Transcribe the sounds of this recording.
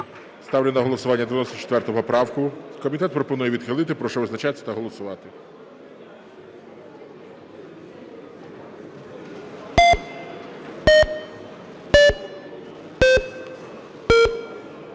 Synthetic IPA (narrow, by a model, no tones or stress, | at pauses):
st̪ɑwlʲɛnɐɦɔlˠɔsʊʋɑnʲːɐd̪eʋʲjnɔsʲt̪ɔt͡ʃe̥t̪ʋɛrɾt̪ɔɦɔpɔpɾɑwkʊkɔmʲit̪ɛt̪̚pɾɔpɔnujɛʋʲid̪xɪlˠɪt̪ɪpɾɔʃɔʋɪznɐt͡ʃɑsʲɐ̥t̪ɐɦɔlˠɔsʊʋɑt̪ɪ